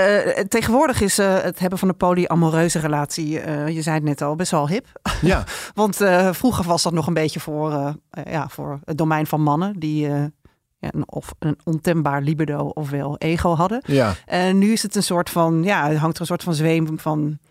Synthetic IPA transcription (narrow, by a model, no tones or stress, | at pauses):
ətejχənʋʊːɹdəχɪsətɦɛbənvɑndəpoliʔamorøɥzərəlaːtsiəjəzɛjtnɛtɑlˠbɛsʋɛlˠɦɪpaʋɑntəfruχəʋɑzdɑtnɔχənbejcəvʊːɹja̰ːvʊ̰ːɹədomɛjnvɑnmɑnəndiə | ja̰ɔ̰fənɔntɛmbaːɹlibədowɔfʋɛlˠʔejχowɦɑdəaʔɛnːyɪsətənsʊːɹtfɑnjaːɦɑŋtəənsʊːɹtfɑnzʋejmvɑn